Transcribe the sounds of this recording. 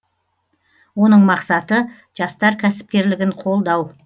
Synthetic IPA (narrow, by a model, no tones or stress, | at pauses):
wo̞n̪əɴmɑqsɑt̪ə | ʒ̥ɑst̪ɑɾkʲʰæsɪ̥p̚kʲe̞ɾlɪɡʲɪɴqʰo̞lˠd̪ɑw